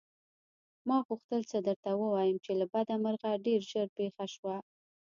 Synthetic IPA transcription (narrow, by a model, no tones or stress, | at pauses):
mɑɣuxt̪əlt͡səd̪əɾt̪awəwɑjəmt͡ʃelabad̪aməɾɣaɖeɾʒəɾpexaʃwa